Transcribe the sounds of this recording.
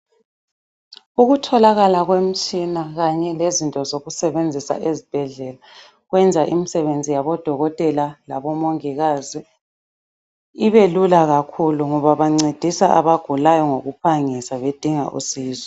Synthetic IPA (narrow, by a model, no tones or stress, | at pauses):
uɣutʰɔlaɣalaɣwem̩t͡ʃʼinaɣaɲɛlezintʼɔzoɣusɛβend͡zʱisa̰ʔezib̥ʱɛɮɛla | ɣwɛnd͡zʱaʔimisɛβend͡zʱijaβɔd̥ʱɔɣɔtʼɛlalaβɔmoŋiɣaːzi | iβelulaɣakʰuluŋɔβaβaŋ͡ǀed̥ʱisaʔaβaɡ̥ʱulajɔŋoɣupʰaŋisaβed̥ʱiŋa̰ʔṵsiːzɛ